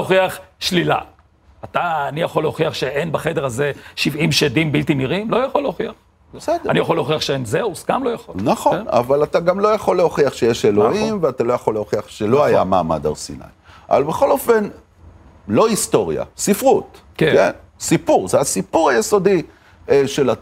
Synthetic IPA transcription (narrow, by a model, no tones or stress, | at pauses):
oχiaχʃlila̰ | ataːnijaχoleoχiaχʃeʔenbaχe̞deʁaze̞ʃivimʃedimbiltiniʁimlo̞jaχoleoχiaχ | besedanijaχoleoχiaχʃeenzeusɡamlojaχolnaχona̰valataɡamlo̞jaχolːeoχiaχʃejeʃelo̞imveatalo̞jaχolːeoχiaχʃeloaja̰ma̰ːma̰da̰ʁsḭna̰j | avalbeχo̞lo̞fe̞n | lo̞ist̪o̞ʁja̰sifʁut̪ | keken | sipuʁzeasipuʁajeso̞di | ʃela